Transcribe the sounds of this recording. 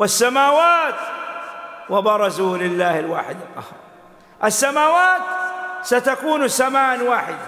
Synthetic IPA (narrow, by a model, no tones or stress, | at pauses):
wasːamaːwaːt̪ | wabɑɾˤɑzulɪlːaːhɪlwaːħɪd̪ɪlqːɑ̰hɑːɾ | ʔasːamaːwaːt̪sat̪akuːnsamaːʔnwaːħɪd̪